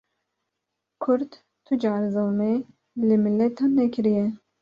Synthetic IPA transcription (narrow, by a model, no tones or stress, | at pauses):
kʰʊɾt̪ | t̪ʰud͡ʒɑːɾzowme | lɨmilːɛt̪ʰɑːnːɛkʰɨɾijɛ